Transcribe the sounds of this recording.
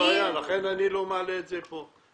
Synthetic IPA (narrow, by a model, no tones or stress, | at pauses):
ealaχenanilo̞maːleːtzepo